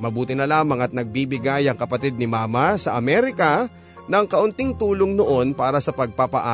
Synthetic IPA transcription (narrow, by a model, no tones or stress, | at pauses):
mɐbuːt̪ɪnɐlaːmɐŋɐt̪̚nɐɡ̚bibɪɡajɐŋkɐpɐt̪id̪̚nɪmaːmɐsɐʔɐmɛɾɪkɐ | nɐŋkɐʔʊnt̪ɪŋt̪uːloŋnoʔo̞npaːɾɐsɐpɐɡ̚papɐʔa